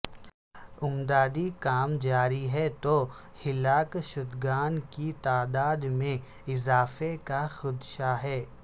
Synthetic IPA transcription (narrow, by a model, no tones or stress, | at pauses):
ʊmd̪aːd̪ikaːmd͡ʒaːɾiɦɛt̪oː | hɪlaːkʃʊd̪ɡaːnkit̪aːd̪aːd̪mẽ | ɪzaːfekaxʊd̪ʃaɦɛː